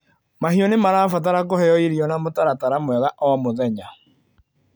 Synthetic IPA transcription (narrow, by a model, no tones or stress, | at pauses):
mahiɔnemaɾaːfat̬aɾakohɛjɔiɾiɔnamotaɾataɾamwɛðaʔamoðɛɲa